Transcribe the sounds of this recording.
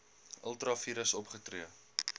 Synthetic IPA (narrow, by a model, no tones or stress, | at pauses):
ʔə̰lˠtrɑfiɾəsɔpχətriə